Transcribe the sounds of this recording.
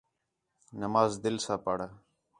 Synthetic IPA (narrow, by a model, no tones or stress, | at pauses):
nəmaːzd̪ɪlsaːpaːɽaː